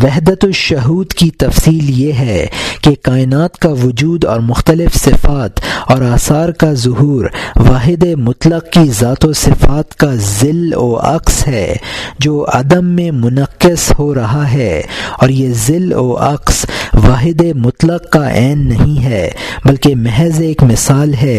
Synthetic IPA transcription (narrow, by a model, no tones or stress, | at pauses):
ʋɐɦd̪ət̪oʃʊɦuːd̪kit̪ɐfsiːljeɦɛkekaːɪnaːt̪kaʋʊd͡ʒuːd̪ɔ̰ːɾmʊxt̪əlɪfsɪfaːt̪ɔːɾaːsaːɾkazʊɦuːɾʋaːɦɪd̪emʊt̪ləqkizaːt̪osɪfaːt̪kazɪlo̰ːʔɐ̰qsɦɛːd͡ʒoːʔɐ̰d̪əmːẽmʊnəqːɪshoɾɐɦaɦɛːɔːɾjezɪlo̰ːʔɐ̰qsʋaːɦɪd̪emʊt̪ləqkaʔɛːnːɐɦĩɦɛːbɐlkemɛɦɛzeːkmɪsaːlɦɛː